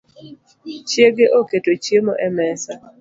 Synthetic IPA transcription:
t͡ʃjeɡeʔoketot͡ʃjemo̰ʔɛmɛsa

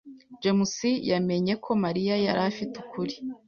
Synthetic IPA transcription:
d͡ʒemusijame̞ɲe̞kʰo̞maɾijaja̰ɾafitukʰuɾi̥

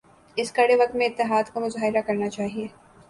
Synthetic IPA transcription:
ɪskɐɽeʋɐk̚t̪mẽɪt̪ːɪɦaːd̪kamʊzaːɦɪɾakɐɾnat͡ʃaːɦieː

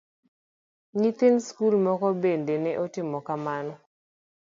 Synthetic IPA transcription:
ŋit̪enskulmɔkɔbendenɛʔotɪmɔkamanɔ

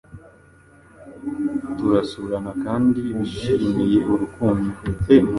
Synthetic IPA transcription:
tuɾasuɾanakaːndiβiʃimijeʔuɾukuːnuem

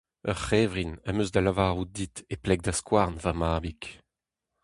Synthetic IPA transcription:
œʁχɛːvʁinamøzd̪alavaːʁud̪it̪eplɛɡ̚d̪askwaʁnvamaːbik

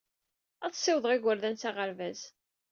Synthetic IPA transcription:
æθsiwðˤʁɪɡʷəɾðænt͡saʁəɾvæz

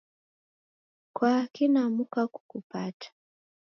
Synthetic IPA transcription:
kwakinamukaku̥kupatʰḁ

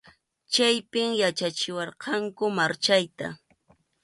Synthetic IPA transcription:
t͡ʃajpɪmjat͡ʃat͡ʃɪwɑɾqɑŋkʊmaɾt͡ʃajt̪a̰

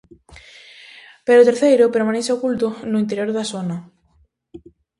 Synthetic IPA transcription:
peɾot̪eɾθejɾʊpeɾmaneseokult̪ʊnʊint̪̬eɾjoɾðasonɐ

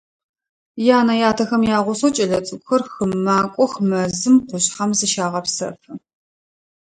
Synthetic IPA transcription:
jaːnɐjaːtʰɐxɐmjaːʁʷʊsot͡ʃʼɐɮɐt͡sʼɨɡʷʊxɐrxɨmːaːkʷʼɔxmɐzɨmqʷʊɕχɐmzɨʃaːʁɐpsɐ̰fɨ

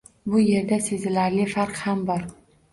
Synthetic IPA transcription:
bʊje̞ɾd̪ase̞zɪlaɾlɪfaɾqhambɒɾ

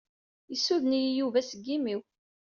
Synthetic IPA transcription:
jəsːuðnijijuvæsəɡːimiw

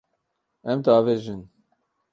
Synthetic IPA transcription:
ɛmt̪ɑːveːʒɨn

